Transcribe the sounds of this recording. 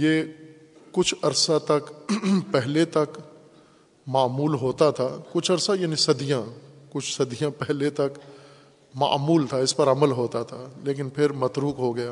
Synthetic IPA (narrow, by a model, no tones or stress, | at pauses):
jeː | kʊt͡ʃʰɐɾsat̪ɐkpɛɦlet̪ɐk | maːmuːlɦoːt̪at̪ʰaːkʊt͡ʃʰɐɾsajaːnisɐd̪ijãkʊt͡ʃʰsɐd̪ijãpɛɦlet̪ɐk | ma̰ːmuːlt̪ʰaɪspɐɾɐməlɦoːt̪at̪ʰaːleːk̬ɪnpʰɪɾmɐt̪ɾuːkɦoɡɐjaː